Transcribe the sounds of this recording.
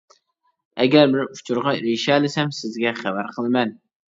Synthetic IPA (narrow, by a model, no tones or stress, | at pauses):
æɡʲæɾbɪɾʊ̥t͡ʃʰuɾʁɑɾiʃælɪsɛmsɪzɡʲɛχæbæɾqʰəlˠmɛn